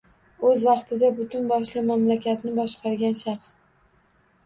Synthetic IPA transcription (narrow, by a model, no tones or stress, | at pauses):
ɵzvɑqt̪ʰɪd̪abʊt̪ʰʊnbɒʃlɪmamlakʲat̪nɪbɒʃqʰɑɾɡʲanʃɑχs